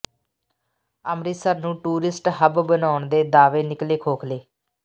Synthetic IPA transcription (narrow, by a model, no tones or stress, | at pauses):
əmɾiːsəɾnũːʈuːɾɪsʈɦəbbənaːʊɳd̪eːd̪aːʋeːnɪkleːkʰoːkʰleː